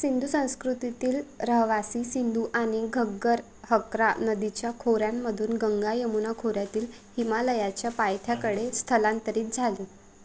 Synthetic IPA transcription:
sind̪ʱusə̃w̃skɾut̪it̪iːlɾəɦʋasiːsind̪ʱuʔaɽ̃iɡʱəɡəɾ | həkɾanəd̪it͡ɕjakʰoɾjamːəd̪ʱuːnɡəŋɡajemunakʰoɾjat̪iːl | himaləjat͡ɕjapajt̪ʰjakəɽest̪ʰəlãnt̪əɾiːt̪̚d͡zʱale

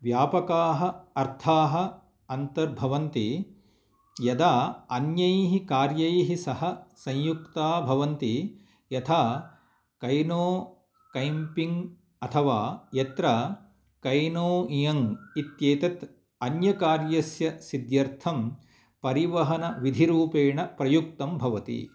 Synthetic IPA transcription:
ʋjaːpɐkaːɦɐ̆ɐɾt̪ʰaːɦɐ̆ | ɐnt̪ɐɾbʱɐʋɐnt̪i | jɐd̪aːɐnjɐjɦikaːɾjɐjɦisɐɦɐsɐ̃jjukt̪aːbʱɐʋɐnt̪i | jɐt̪ʰaː | kɐjnoː | kɐjmpiŋɡ | ɐt̪ʰɐʋaːjet̪ɾɐ | kɐjnoːijɐŋit̪jeːt̪ɐt̪ | ɐnjɐkaːɾjɐsjɐsid̪jɐɾt̪ʰɐm | pɐɾiʋɐɦɐnɐʋid̪ʱiɾuːpeːɳɐpɾɐjuk̚t̪ɐmbʱɐʋɐt̪ḭ

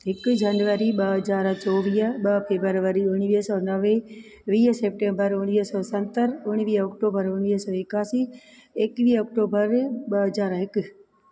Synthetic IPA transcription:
ɦɪkd͡ʑanʋəɾiɓɐɦɐzaːɾt͡ɕɔːʋiːəɓɐfeːbəɾʋəɾiʊɽ̃ʋiːɦsɔːnɐʋẽ | ʋiːɦseːp̚ʈẽːmbəɾʊɽ̃iːɦsɔːsɐ̃nt̪əɾʊɽ̃ʋiːɔːkʈoːbəɾʊɽiːɦsɔːɪkaːsiː | eːkʋiːɦɔːkʈoːbəɾɓɐɦɐzaːɾɦɪkʊ

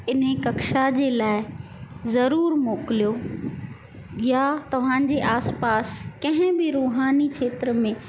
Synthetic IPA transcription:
ɪnekɐkʃad͡ʑeːlaːɪzɐɾuːɾmoːkɪlijo | jat̪ɐʋ̤ãːd͡ʑeʔaːspaːskɐ̃ɦɪ̃bɪɾuːɦaːnit͡ɕʰeːt̪ɾəmẽ

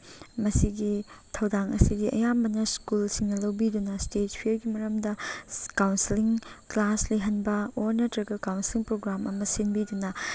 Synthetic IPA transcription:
mɐsiɡitʰɐwdaŋɐ̰sidiʔɐ̰jambɐnɐskulsiŋnɐlɐwbidunɐstet̚pʰieɾɡimɐɾɐmdɐkawnsiliŋklasliɦɐnbɐoɾnɐtɾɐɡɐkawnsiliŋpɾoɡɾamʔɐmɐsinbidunɐ

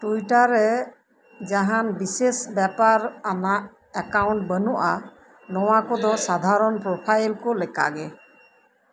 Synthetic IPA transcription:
ʈuiʈaɾɛ | d͡ʒaɦanbisesbjapaɾanaʔ | ɛkawnɳʈ̚bənuʔa | nɔwakɔd̪ɔsad̪ʱaɾɔnpɾɔpʰajlkɔlɛka̰ɡɛ

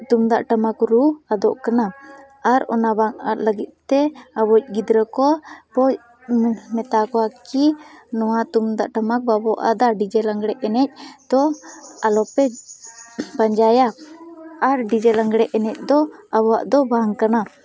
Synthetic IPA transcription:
t̪umd̪aʔʈamakɾuad̪ɔʔkana | aɾɔ̰nabaŋaləɡit̪̚t̪ɛabɔc̚ˀɡid̪ɾəkɔpɔc̚ | mɛt̪akɔakinɔwat̪umd̪aʔʈamak̚babɔʔa̰d̪aɖid͡ʒɛlaŋɡɽɛʔɛnɛc̚d̪̥ɔalɔpɛ | baɲd͡ʒajaː | ɾɖid͡ʒɛlaŋɡɽɛʔɛnɛc̚d̪ɔabɔwaʔd̪ɔbaaŋkana

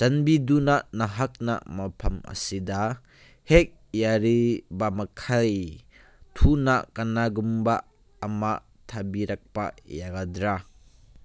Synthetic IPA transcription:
sɐnbidunanɐɦɐk̚na̰mɐpʰɐmʔɐ̰sid̪a | hɛk̚ | jaɾibamɐkʰaj | t̪ʰunakɐnaɡumba | ɐma | t̪ʰabiɾɐk̚pa̰jaɡad̪ɾa

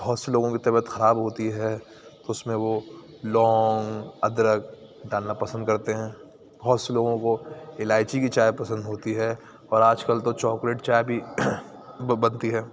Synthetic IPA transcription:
b̥ɔːt̪seloːɡõkit̪ɐbət̪xɐɾaːbɦoːt̪iɦɛ | t̪oʊsmẽʋo | lɔːŋɡɐd̪ɾək | ɖaːlnapɐsə̃nd̪̚kɐɾt̪eɦɛ̃ː | b̥ɔɦːt̪seloːɡõkoɪlaːɪt͡ʃikit͡ʃaːjpɐsə̃nd̪ɦoːt̪iɦɛː | ɔːɾaːd͡ʒkəlt̪ot͡ʃɔːkɾeːʈt͡ʃaːjbʱi | bɐnt̪iɦɛː

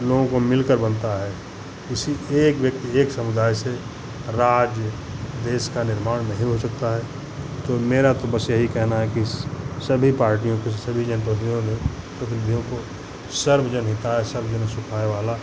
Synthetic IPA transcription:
loːɡõkomɪlkəɾbənt̪aɦɛ | kɪsieːkʋjək̚t̪ieːksɐmʊd̪aːjse | ɾaːd͡ʒjə | d̪eːʃkanɪɾmaːɽ̃nɐɦĩɦosɐk̚t̪aɦɛ | t̪omeːɾat̪obəsjɐɦikɛɦnaɦɛkisəbʱipaːɾʈijõkesɐbʱid͡ʒənpət̪ijõne | pət̪ʰɪlb̪ʱijõko | səɾbd͡ʒənɦɪt̪aɦesəɾbd͡ʒənsʊkʰaːeʋaːla

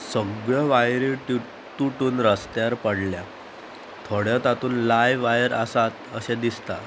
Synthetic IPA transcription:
səɡɭəʋajɾiʈ | t̪uʈuːnɾəst̪jaɾpəɽlja | t̪ʰoɽjat̪at̪uːnlajʋajəɾəsat̪əsed̪ist̪a

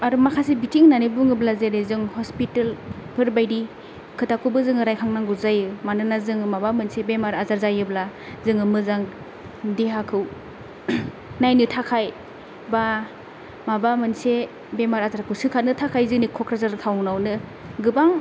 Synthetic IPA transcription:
aɾumakʰasibitʰiŋnanibɯŋɯblazeɾezɯŋhɔspitelpʰɯɾbajɾi | kʰɯtakʰɯbɯzɯŋɯɾajkʰaŋnaŋɡuzajɯmanɯnazɯŋɯmabamɯnsebemaɾazaɾzajɯbla | zɯŋɯmɯzaŋ | deɦakʰɯw | najnɯtʰakʰaj | ba | mabamɯnse | bemaɾazaɾkʰɯwsɯkʰatnɯtʰakʰajzɯŋnikʰɔkɾazaɾtʰawŋnawnɯ | ɡɯbaŋ

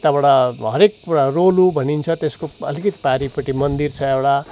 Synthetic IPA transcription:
t̪abʌɽaɦʌɾek̚arolubʱʌnint͡sʰʌt̪eskoʌ̰likʌt̪i̥paɾipʌʈimʌnd̪irt͡sʰʌewɽa

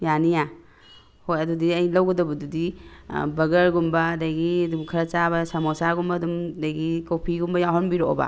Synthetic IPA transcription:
janija | hojɐdudiɐjlawɡɐdɐbɐdudibɐɡɐɾɡumbɐːdaɡidumkʰɐɾɐt͡ʃabɐsamɔsaɡumbɐdumdaɡikopʰiɡumbɐjaɦɔnbiɾoʔo̰ba̰

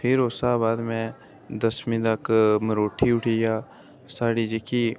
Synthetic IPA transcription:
pʰɪɾoːsaːbaːd̪mẽ | d̪ɐsmĩd̪akməɾoːʈʰiʊʈʰija | saːɽid͡ʒekʰi

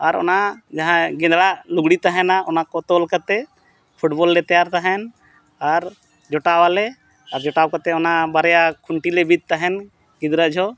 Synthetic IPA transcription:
aɾɔ̰nad͡ʒãɦãɡɛ̃nd̪ɽaʔluɡɽit̪aɦɛnaʔɔnakɔt̪ɔlkət̪ɛ | pʰuʈbɔlːɛt̪ɛjaɾt̪aɦɛn | aɾ | d͡ʒɔʈawalɛ | aɾd͡ʒɔʈawkət̪ɛɔnabaɾɛjakʰuɳʈilebid̪̚t̪aɦɛn | ɡĩd̪ɾad͡ʒʱɔ

